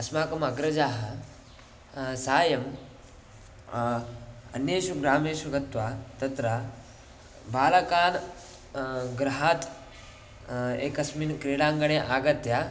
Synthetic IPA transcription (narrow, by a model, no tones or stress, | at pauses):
ɐsmaːkɐmɐɡɾɐd͡ʒaːɦɐ | saːjɐm | ɐ̰njeːʃuɡɾaːmeːʃuɡʱɐt̪ʋat̪ɐt̪ɾa | ʋaːlɐkaːn | ɡɾɐɦat̪ | ḛːkɐsmiːnkɾeːɽaːŋɡɐɳeʔaːɡɐt̪ja